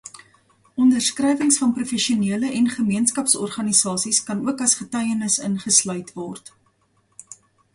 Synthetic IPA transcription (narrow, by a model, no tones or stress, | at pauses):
ɔndərskrɛjvəŋsfɐnprufɛʃiuniələʔɛnχəmiənskɐpsɔ̰rχɐnisɑːsiskɐnuəkɐsχətœɥjənəsənχəslœɥtvɔrt